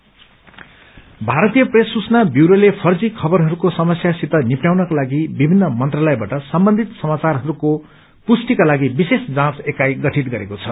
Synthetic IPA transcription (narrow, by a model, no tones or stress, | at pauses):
bʱaɾʌt̪ijʌpresːut͡snabjuɾolepʰʌrd͡zikʰʌbʌɾɦʌɾukosʌmʌsjasit̪ʌnipnjawnʌkalaɡibibʱinːʌmʌnt̪ralʌjbaʈʌsʌmbʌnd̪ʱit̪sʌmat͡sarɦʌɾuko | pusʈikalaɡibisesd͡zãt͡sekajɡʌʈʰit̪ɡʌɾekot͡sʰʌ